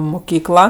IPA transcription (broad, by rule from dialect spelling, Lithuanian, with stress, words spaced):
mʊˈkʲiːklˠɐ